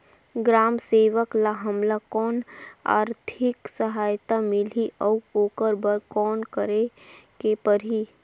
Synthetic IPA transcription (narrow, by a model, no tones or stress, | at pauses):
ɡɾaːmseːʋəklaɦɐmlakɔːna̰ːɾt̪ʰɪksəɦaːjt̪amɪliʔəuoːkəɾbəɾkɔːnkəɾekepəɾɦiː